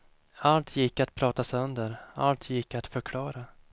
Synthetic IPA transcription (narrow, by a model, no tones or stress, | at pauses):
alt̪ʰjɪkːat̪̚pʰɾɑːt̪asɵnd̪əɾa̰lt̪ʰjɪkːat̪fœɾkʰlɑːɾa